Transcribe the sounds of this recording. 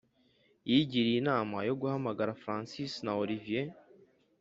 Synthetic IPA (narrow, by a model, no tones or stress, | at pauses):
jiɟiɾiinaːmajo̞ɡuhamaɡaɾafɾaːnsisnaolivije